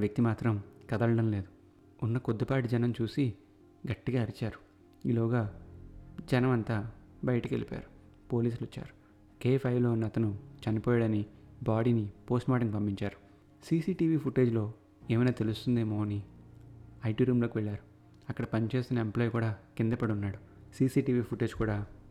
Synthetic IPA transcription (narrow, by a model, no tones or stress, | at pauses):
ʋjɐk̚t̪imaːt̪ɾɐmkɐd̪ɐɭɐɽɐmle̞ːd̪u | unːɐkod̪ːɐpaːʈid͡ʒɐnɐmt͡ʃuːsi | ɡɐʈːiɡaːɐɾit͡ʃaːɾu̥ | iːloːɡaː | d͡ʒɐnɐmɐnt̪aːbɐjɐʈɐkḛlipa̰ːɾu̥ | po̞ːliːs̬ulit͡ʃːa̰ːɾu̥ | keːpʰɐjlo̞ːnɐt̪ɐnut͡ʃɐnipɔːjaɽɐnibaːɽinipo̞ːsʈmaːʈiŋɡpɐmpiɲt͡ʃaːɾu̥ | siːsiːʈiːʋiːpʰuʈe̞ːd͡ʒlo̞ː | eːmɐjnaːt̪e̞lust̪und̪eːmoːɐni | ɐjʈiːɾuːmlo̞ːkiʋɛɭːaːɾu | ɐkːɐɽɐpɐnt͡ʃe̞ːst̪inɐemplaːjkuːɽaːkind̪ɐpɐɽunːaːɽu | siːsiːʈiːʋiːpʰuʈe̞ːd͡ʒkuːɽaː